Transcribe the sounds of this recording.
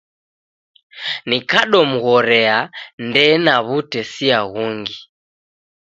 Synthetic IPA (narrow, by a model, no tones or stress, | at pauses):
nikaɗɔm̩ɣɔɾɛandɛnaβutɛsiaɣuŋɡi